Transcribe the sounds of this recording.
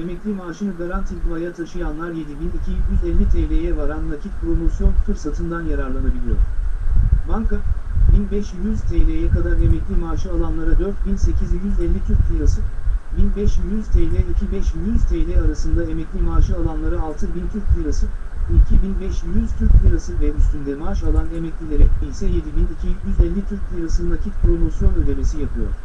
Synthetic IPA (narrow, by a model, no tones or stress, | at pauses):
e̞mɛclʲimaːʃɯnɯɡaɾant̪ʰiɡ̪vajat̪ʰaʃɯjanlˠaɾje̞d̪ibinicʰijyzɛlʲːit̪ʰelʲejɛvaɾanvacʰit̪̚pʰɾomosjo̞nfɯɾsat̪ʰɯnd̪anjaɾaɾlˠanabilʲijo̞̰ɾ̥ | baŋkʰabinbɛʃyz̥t̪ʰelʲejɛkʰad̪aɾe̞mɛclʲimaːʃɯalˠanlˠaɾad̪øɾt̪̚binse̞cʰizyjjyzɛlʲːit̪ʰyɾcʲlʲiɾasɯbinbɛʃjyzt̪ʰe̞jilʲɛicʰibɛʃjinjyz̥t̪ʰe̞jilʲɛaɾasɯnd̪ae̞mɛclʲimaːʃɯalˠanlˠaɾaːlˠt̪ʰɯbint̪ʰyɾc̚ʲp̪ʲiɾasɯicʰibinbɛʃjyz̥t̪ʰyɾc̪̚ʲiɾasɯvɛyst̪ʰynd̪ɛmaːʃalˠanemɛclʲilʲeɾɛcbilʲsɛje̞d̪ibinicʰijyzɛlʲːit̪ʰyɾc̚ʲp̪ʰlʰʲiɾasɯnnacʰit̪kʰɾonusjo̞nød̪emesijapʰɯjo̞̰ɾ̥